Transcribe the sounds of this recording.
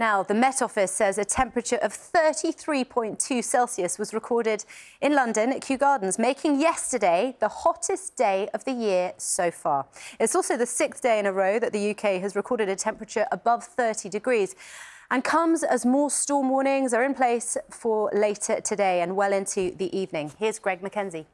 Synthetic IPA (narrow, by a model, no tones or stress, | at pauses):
naʊðəmɛtɒfɪsɛzətʰɛ̃mpɹət͡ʃəɹʔəv̥θɜˑtiθɹipʰɔ̃ɪ̃ntʰʉːsɛlˠsiəswɒzɹɪkʰɔːɾɪdɪ̃nlʌ̃ndə̃nəʔ̚kʰj̥ʉːɡɑːdⁿn̩zmeɪkʰɪ̃ŋjɛstədeɪðəhɒtʰɪsd̥eɪəvðəjɪəsəʊfɑːɪtsɔˑlˠsəʊðəsɪk̚θd̥eɪɪ̃ñəɹəʊðəʔðəjʉːkʰeɪəzɹɪkʰɔːɾɪɾətʰɛ̃mpɹət͡ʃəɹʔəbʌv̥θɜˑtʰidɪɡɹiːz̥ə̃nkʰʌ̃mzəzmɔːstɔːmwɔːñɪ̃ŋzəɹɪ̃npʰl̥eɪsfəleɪtʰətʰədeɪə̃nwɛlɪ̃ntʰʉðiʔiːvnɪ̃ŋhɪəzɡɹɛɡ̚məkʰɛ̃nzi